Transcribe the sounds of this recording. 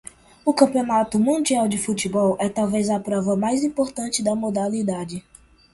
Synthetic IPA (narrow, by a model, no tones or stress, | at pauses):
ʊkɐ̃pionat̪ʊmũnd͡ʒiawd͡ʒɪfut͡ʃibɔwʔɛt̪awvezɐpɾɔvɐmajzĩpoɾt̪ɐ̃nt͡ʃɪd̪ɐmod̪alid̪ad͡ʒɪ